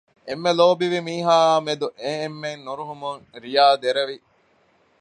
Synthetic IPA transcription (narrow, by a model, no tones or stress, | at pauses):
ʔemːeloːbiʋimiːɦaːmed̪uʔeemːenːuɾuɦumuŋɾijaːd̪eɾɐʋi